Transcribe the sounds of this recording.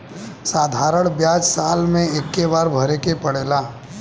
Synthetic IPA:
saːd̪ʱaːɾəɽ̃bjaːd͡ʒsaːlmẽekːeʋaːɾbʱəɾekepəɽeːlaː

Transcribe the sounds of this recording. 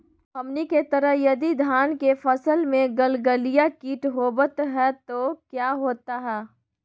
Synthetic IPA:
ɦɐmniket̪əɾəɦjɐd̪id̪ʱaːnkefʰəsəlmẽɡəlɡəlijakiːʈɦoːbət̪ɦɛt̪okjaːɦoːt̪aɦɛː

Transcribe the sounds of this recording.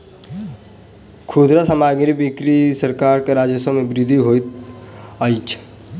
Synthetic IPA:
kʰud̪ɾasəmaɡɾibikɾisəɾkaɾkeɾad͡ʒəsəmebɾid̪ʱiɦojt̪̚ | əjt͡ʃʰ

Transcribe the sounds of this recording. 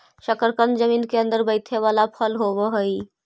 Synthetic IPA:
ʃəkəɾkənd͡ʒəmiːnkeə̃nd̪əɾbəɪt̪ʰeʋaːlapʰəlɦobəɦəi

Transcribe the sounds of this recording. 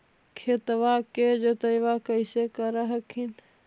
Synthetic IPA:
kʰet̪ʋaked͡ʒot̪əjʋakəɪsekəɾaɦəkʰin

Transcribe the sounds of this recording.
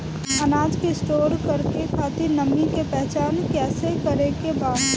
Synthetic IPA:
ɐnaːd͡ʒkeɪsʈoːɾkɐɾkekʰaːt̪inɐmikepɛɦt͡ʃaːnkɛːsekɐɾekebaːd̪

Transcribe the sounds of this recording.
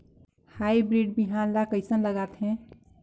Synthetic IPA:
hajbɾiɖ̚biɦanlakəɪsənləɡat̪ɦɛ̃

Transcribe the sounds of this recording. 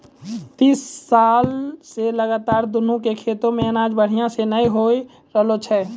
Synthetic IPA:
t̪iːsːaːlseləɡaːt̪aːɾd̪ʊnũkekʰeːt̪õmẽənaːd͡ʒbəɽ̤ijãsenəĩɦoi | ɾəɦlot͡ʃʰɛː

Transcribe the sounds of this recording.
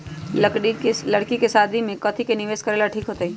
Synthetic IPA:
ləɽkikesaːd̪ʱimẽkɐt̪ʰikenɪʋeːskəɾeːlaʈʰiːkɦoːt̪aiː

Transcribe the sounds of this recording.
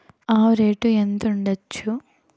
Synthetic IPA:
aːɾeːʈːuend̪uɳɖɐt͡ʃːu

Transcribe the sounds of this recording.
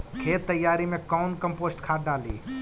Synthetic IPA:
kʰeːt̪ːəjːaːɾimẽkɔʊnkəmpoːsʈkʰaːʈ̚ɖaːlḭː

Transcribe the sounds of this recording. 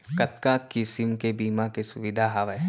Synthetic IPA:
kɐt̪kakɪsɪmkebiːmakesʊʋɪd̪ʱaɦaʋɛ

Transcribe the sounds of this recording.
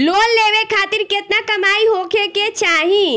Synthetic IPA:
loːlːeːʋekʰaːt̪ɪɾkɪt̪nakɐmaːiɦoːkʰeket͡ʃaːɦĩ

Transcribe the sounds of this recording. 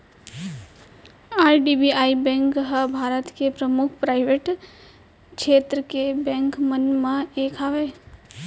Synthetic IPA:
aːɾɖibiaːibɛ̃ːŋkɦəbʱaːɾət̪kepɾəmʊkʰpɾaːɪʋeʈ | kʃeːt̪ɾəkebɛ̃ːŋkmənmãeːkʰaʋeː

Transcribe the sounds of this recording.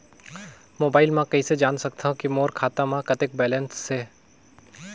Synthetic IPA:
moːbaːɪlmãkɐised͡ʒaːnsɐk̚t̪aɦũkimoːɾkʰaːt̪amãkɐt̪ɪk̚bɛːlɛnsːeː

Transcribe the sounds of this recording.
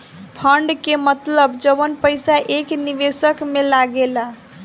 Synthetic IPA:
pʰəɳɖkemət̪ləbd͡ʒəβənpəjsaʔekniβesəkmelaɡela

